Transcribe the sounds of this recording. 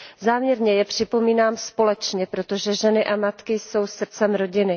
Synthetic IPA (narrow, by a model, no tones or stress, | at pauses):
zaːmɲɛɾɲɛjɛpr̝̥ɪpo̞miːnaːmspo̞lɛt͡ʃɲɛpɾo̞t̪oʒɛʒɛnɪʔamat̪kɪjso̞wsr̩t͡sɛmɾo̞ɟɪnɪ